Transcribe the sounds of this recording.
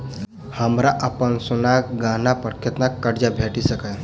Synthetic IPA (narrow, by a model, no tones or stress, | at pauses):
həmɾaʔəpənsunakɡãnapəɾkʰet̪nakːəɽd͡ʒabʱeʈisəkə